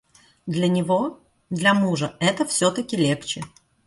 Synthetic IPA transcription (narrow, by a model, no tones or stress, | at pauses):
d̪lʲɐnʲɪvo | d̪lʲɐmuʐəɛt̪əfsʲot̪əkʲɪlʲe̞kt͡ɕɪ